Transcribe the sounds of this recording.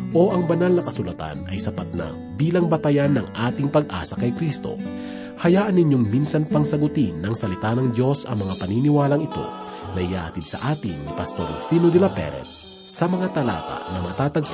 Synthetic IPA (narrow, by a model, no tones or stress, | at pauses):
ʔo̞ʔɐŋbɐnalnɐkɐsʊlɐt̪a̰nɐjsɐpat̪̚nɐ̰ŋbiːlɐŋbɐt̪ɐjanːɐŋʔaːt̪ɪŋpɐɡ̚ʔa̰ːsɐkɐjkɾist̪o̞̰ | hɐjaːʔɐnːɪɲjoŋminsɐnpɐŋsɐɡʊt̪inːɐŋsɐlɪt̪anɐŋd̪jo̞sɐ̰ŋmɐŋapɐninɪwaːlɐŋɪt̪o̞̰ | nɐɪja̰ːhɐt̪id̪̚sɐ̰ʔaːt̪ɪŋnɪpɐst̪o̞ɾfinod̪ɛlɐpɛ̰ɾɛ̰t̪ | sɐmɐŋat̪ɐla̰ːt̪a̰nɐmɐt̪aːt̪ɐɡ̚